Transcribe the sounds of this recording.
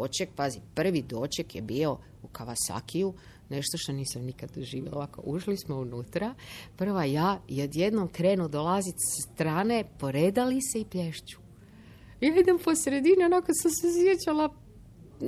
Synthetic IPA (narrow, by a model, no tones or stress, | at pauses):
ot͡ʃek̚pazipr̩ʋid̪ot͡ʃekjebiːo̞ | ukaʋasa̰kʰiju | ne̞ʃt̪oʃt̪o̞niːsamnikad̪d̪oʒiːʋjelaoʋako̰ʔuʃlismo̞unuːt̪ɾapr̩ʋajaːod̪jed̪nomkɾeːnud̪olˠazit̪sst̪ɾaːne̞poɾed̪aliseipjeʃt͡ʃu̥ | jaːid̪empo̞sɾed̪inionakosamses̬jet͡ɕalˠa